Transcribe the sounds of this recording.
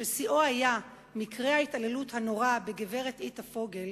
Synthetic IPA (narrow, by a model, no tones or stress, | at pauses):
ʃesiʔohaja | mikʁe̞haitale̞luthano̞ʁabeɡeve̞ʁet̪ʔit̪afo̞ɡe̞l